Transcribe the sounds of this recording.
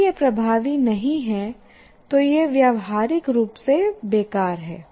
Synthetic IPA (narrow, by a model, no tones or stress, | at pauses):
jepɾɐbʱaːʋinɐɦĩɦɛ | t̪ojeʋjaːʋɦaːɾɪkɾuːpsebeːkaːɾɦɛː